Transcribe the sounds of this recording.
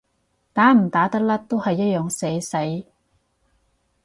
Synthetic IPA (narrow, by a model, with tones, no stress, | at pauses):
t̪aː˨˥m̩˨˩t̪aː˨˥t̪ɐ˥k̚lɐ˥t̪ːo˥whɐ˨jːɐ˥t̚jœː˨˧ŋse˨˧˥jsɐ˨˥j